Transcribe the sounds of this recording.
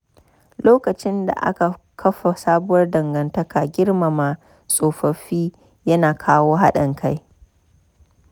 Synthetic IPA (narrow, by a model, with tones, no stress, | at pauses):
loː˦kɐ˨t͡ʃɪ˦nda̰˨ʔa̰˦ka˨ | kʰɐ˦ɸa˨saː˦bʊ˦wɐ˦rdɐ˨ŋɡɐ˨ntɐ˦kaː˨ɡʲɪ˦rma˨ma˨ | sʼoː˨ɸɐ˨ɸiː˦ | jɐ˦naː˨kʰaː˦woː˦ɦa˦ɗɐ˨ŋkʰa˦j